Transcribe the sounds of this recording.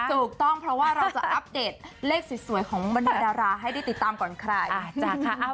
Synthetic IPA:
t̪ʰuː˨˩k̚t̪ɔ˥˩ŋpʰɾɔ˦˥waː˥˩ɾa˧wt͡ɕa˨˩ʔa˦˥p̚deː˨˩t̪̚leː˥˩k̚si˨˩su˩˦jkʰɔː˩˦ŋba˧ndaː˧˩daː˧ɾaː˧ɦa˥˩jda˥˩jt̪i˨˩t̪ːaː˧mkɔː˨˩˦nkʰɾa˧j

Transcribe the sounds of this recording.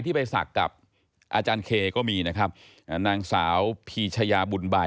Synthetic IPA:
t̪ʰiː˥˩pa˧jsa̰˨˩kːa̰˨˩p̚ | ʔaː˧t͡ɕaː˧nkʰeː˧kɔː˥˩miː˧na˦˥kʰɾa˦˥p̚ | naː˧ŋsaː˩˦wpʰiː˧t͡ɕʰa˧jaː˧bu˧nba˧

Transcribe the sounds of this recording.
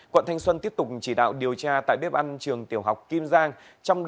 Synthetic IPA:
kwə̰˧˨nt̪ʰa˧jŋ̟swə˧nt̪i˦˥əp̚t̪ʊ˨˩k͡p̚t͡ɕi˧˩ɗa̰ː˧˨wɗi˨˩əwt͡ɕaː˧t̪a̰ː˧˨jɓe˦˥p̚ʔa˧nt͡ɕɨ˨˩əŋt̪i˧˩əwɦa˨˩wk͡p̚ki˧mzaː˧ŋ | t͡ɕɔ˧wŋ͡mɗ

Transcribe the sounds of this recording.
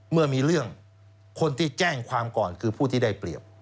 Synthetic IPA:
mɯ˥˩ɐmiː˧ɾɯ˥˩əŋ | kʰo˧nt̪ʰiː˥˩t͡ɕɛː˥˩ŋkʰwaː˧mkɔː˨˩nkʰɯː˧pʰuː˥˩t̪ʰiː˥˩da˥˩jpli˨˩əp̚

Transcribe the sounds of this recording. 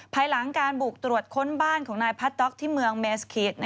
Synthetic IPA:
pʰaː˧jla˩˦ŋkaː˧nbuː˨˩k̚t̪ɾu˨˩ət̪̚kʰo˦˥nbaː˥˩nkʰɔː˩˦ŋnaː˧jpʰa˦˥t̪̚dɔ˦˥k̚t̪ʰiː˥˩mɯ˧əŋmeː˧skʰiː˨˦˥t̪̚n˧

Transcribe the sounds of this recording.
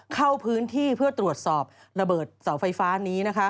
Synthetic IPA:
kʰa˥˩wpʰɯː˦˥nt̪ʰiː˥˩pʰɯ˥˩ət̪ɾu˨˩ət̪̚sɔː˨˩p̚ | ɾa˧bɤː˨˩t̪̚sa˩˦wfa˧jfaː˦˥niː˦˥na˦˥kʰa˦˥

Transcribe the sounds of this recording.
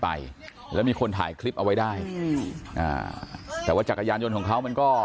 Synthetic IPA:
pa̰˧j | lɛː˦˥wmiː˧kʰo˧nt̪ʰa̰ː˨˩˦jkʰli˦˥p̚ʔa˧wa˦˥jdaː˥˩jʔa̰ː˨˩t̪ɛː˨˩waː˥˩t͡ɕaː˨˩ka˧jaː˧njo˧nkʰɔː˨˩˦kʰa˦˥wma˧nkɔː˥˩

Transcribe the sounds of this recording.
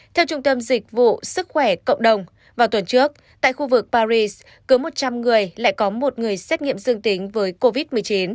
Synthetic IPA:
t̪ʰɛ˧wt͡ɕʊ˧ŋ͡mt̪ə˧mzï˨˩k̚vṵ˧˨sɨ˦˥k̚xwɛ˧˩kə̰˧˨wŋ͡mɗə˨˩wŋ͡m | vaː˨˩wt̪wə˨˩nt͡ɕɨ˦˥ək̚ | t̪a̰ː˧˨jxu˧vɨ˨˩k̚paː˧zi˧s | kɨ˨˦mo˨˩t̚t͡ɕa˧mŋɨ˨˩əjla̰ː˧˨jkɔ˨˦mo˨˩t̚ŋɨ˨˩əjsɛ˦˥t̚ŋḭ˧əmzɨ˧əŋt̪ï˨˦ŋ̟vəː˨˦jko˧vi˦˥t̚mɨ˨˩əjt͡ɕi˨˦n

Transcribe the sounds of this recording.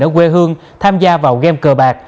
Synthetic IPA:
əː˨˦kwe˧ɦɨ˧əŋ | t̪ʰaː˧mzaː˧vaː˨˩wɣɛ˧mkəː˨˩ɓaː˨˩k̚

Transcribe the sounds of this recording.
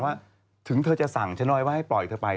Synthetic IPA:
waː˥˩ | t̪ʰɯ˨˩˦ŋt̪ʰɤː˧t͡ɕa˨˩ʔsa˨˩ŋt͡ɕʰa˦˥nɔː˥˩jwaː˥˩ha˥˩jplɔ˨˩jt̪ʰəː˧pa˧j

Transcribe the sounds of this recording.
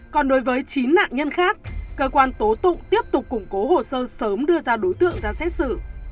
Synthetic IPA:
kɔ˨˩nɗo˨˦jvəː˨˦jt͡ɕi˨˦nːa̰ː˧˨ŋɲə˧nxaː˦˥k̚kəː˧kwaː˧nt̪o˨˦t̪ʊ̰˧˨ŋ͡mt̪i˦˥əp̚t̪ʊ˨˩k͡p̚kːʊ˨˩ŋ͡mko˨˦ɦo̰˧˩˨səː˧səː˨˦mɗɨ˧əzaː˧ɗo˨˦jt̪ɨ̰˧˨əŋzaː˧sɛ˦˥t̚sɨ̰˧˩

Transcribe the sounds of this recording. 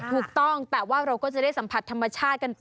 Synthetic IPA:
t̪ʰuː˨˩k̚t̪ɔ˥˩ŋt̪ɛː˨˩waː˥˩ɾa˧wkɔː˥˩t͡ɕa˨˩da˥˩sa˩˦mpʰa˨˩t̪ʰːa˧mːa˧t͡ɕʰaː˥˩t̪̚ka˧np

